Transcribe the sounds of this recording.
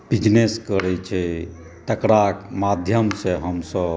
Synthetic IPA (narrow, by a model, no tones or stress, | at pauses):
b̥id͡ʒneskəɾɛt͡ʃʰɛ | t̪əkɾakmad̪ʱjəmsẽɦəmsəb